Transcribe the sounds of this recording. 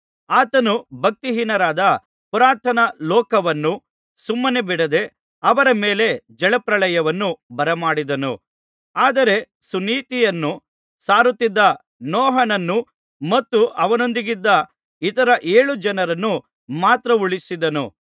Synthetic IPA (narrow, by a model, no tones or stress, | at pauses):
aːt̪ɐnubʱɐk̚t̪iɦinɐɾaːd̪ɐ | puɾaːt̪ʰɐnɐlɔːkɐʋɐnːu | sumːɐnebiɽɐd̪e̞ | ɐʋɐɾɐmeːle̞d͡ʒɛɭɐpɾɐɭɐjɐʋɐnːubɐɾɐmaːɽid̪ɐnṵ | aːd̪ɐɾe̞ | suniːt̪ijɐnːu | saːɾut̪ːid̪ːɐ | nɔːɦɐnɐnːu | mɐt̪ːuʔɐʋɐno̞nd̪iɡid̪ːɐ | it̪ɐɾɐʔeːɭud͡ʒɐnɐɾɐnːu | maːt̪ɾɐuɭisid̪ɐnṵ